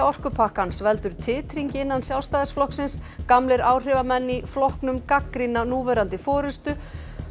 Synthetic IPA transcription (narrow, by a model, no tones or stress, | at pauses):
ɔr̥kʏpʰahkansvɛlt̪ʏɾ̥t̪ʰɪːt̪ɾiɲcɪɪnːansjawlst̪aːðɪsflɔhksɪnskamlɪɾaːwr̥ɪːvamɛnːiflɔhknʏmkakɾinanuːvɛːɾant̪ɪfɔːɾɪst̪ʏ